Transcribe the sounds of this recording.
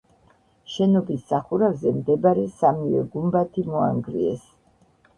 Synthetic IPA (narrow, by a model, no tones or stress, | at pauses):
ʃɛnɔbisːaχuɾavzɛmd̪ɛbaɾɛsamivɛ̰ɡumbat̪ʰimɔa̰ŋɡɾiɛ̰s